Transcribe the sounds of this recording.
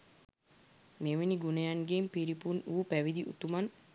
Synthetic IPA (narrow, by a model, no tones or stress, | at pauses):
meʋeniɡunəjanɡempiɾipunuːpæʋid̪iʔṵt̪uman